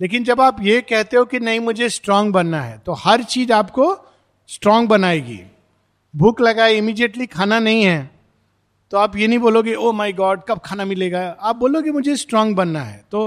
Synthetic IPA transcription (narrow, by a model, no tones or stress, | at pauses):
leːk̬ɪnd͡ʒɐbaːpjekɛɦt̪eɦokinɐɦĩmʊd͡ʒʱesʈɾɔ̃ːŋɡ̚bɐnːaɦɛ̰ːt̪ohɐɾt͡ʃiːzaːpko | sʈɾɔ̃ːŋɡ̚bɐnaːeɡḭː | bʱʊklɐɡaːeɪmiːɖijeʈlikʰaːnanɐɦĩɦɛː | t̪oaːpjenɐɦĩboːloɡeʔoːmaːɪɡɔːɖ̚kɐb̚kʰaːnamɪleːɡaaːp̚boːloɡemʊd͡ʒʱesʈɾɔ̃ːŋɡbɐnːaɦɛ̰ːt̪oː